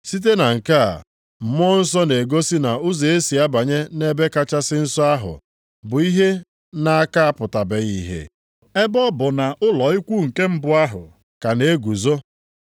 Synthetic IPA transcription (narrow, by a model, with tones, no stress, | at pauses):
si˦t̬e˦na˨ŋ̩˨ka˦a̰˨ | m̩˨m˦ɔ˦n̩˦s̬ɔ˦ne˨ɡo˦si˦na˨ʊ˦ze˨e˦si˨a˦ba˨ɲe˦ne˦be˦ka˦t͡ʃa˦sɪ˦n̩˦sɔ˦a˦ɦʊ̰˨ | bʊ˨i˦ɦe˦ | na˦a˦ka˦a˦pʊ˨ta˨be˨ɣi˦ɦḛ˨ | e˦bɔ˦bʊ˨na˨ʔʊ˦lɔ˨i˦kʷu˦˨ŋ̩˨ke˦m̩˦bʊ˦a˦ɦʊ̰˨ | ka˨ne˨˦ɡʷu˨zo˦